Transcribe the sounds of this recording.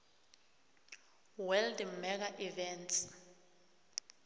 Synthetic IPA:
wɛldmɛk̬aʔivɛnts

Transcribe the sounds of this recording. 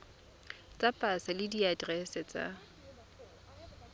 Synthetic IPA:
t͡sʼapʼasalɪdiadrɛsɛt͡sʼa̰

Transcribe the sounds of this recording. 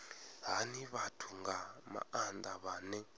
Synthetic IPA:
ɦaniβatʰuŋɡama̰and̪aβaːnɛ

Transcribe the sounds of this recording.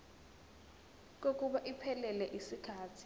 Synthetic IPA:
k̬ok̬ʼuɓaʔipʰɛlɛlɛʔisikʰaːtʰi̥

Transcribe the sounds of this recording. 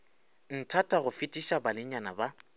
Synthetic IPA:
n̩tʰatʼaɣʊfɪtʼiʃabalɪɲanaba

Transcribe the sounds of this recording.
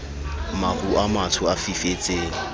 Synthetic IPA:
maχuʔamatʰʊafifet͡sʼeːn̩

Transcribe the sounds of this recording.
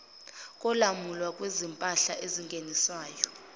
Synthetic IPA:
kʼɔlamulwakʼwezimpʼaɬaʔeziŋɡʱeniswaːjɔ

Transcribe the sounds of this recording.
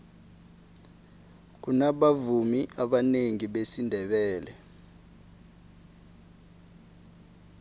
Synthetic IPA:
k̬unaɓavumiʔaɓaneŋiɓesindʱɛɓɛːlɛ

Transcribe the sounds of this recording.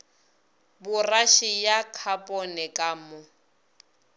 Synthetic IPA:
bʊraʃijakʰapʼɔnɛkʼamʊ

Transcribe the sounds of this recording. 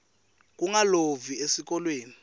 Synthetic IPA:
k̬uŋaloviesik̬ʼɔlweːni

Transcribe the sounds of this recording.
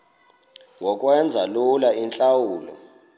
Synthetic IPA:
ŋɡʱɔk̬ʼwɛnd͡zʱalulaint͡ɬʼawuːlɔ̰

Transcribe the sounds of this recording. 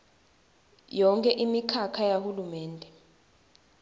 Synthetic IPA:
jɔŋkʰʼɛʔimikʰakʰajahulumɛːndʱɛ

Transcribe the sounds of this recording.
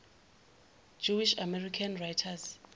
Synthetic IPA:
d͡ʒuwiʃamɛrikʰanrajtʰas

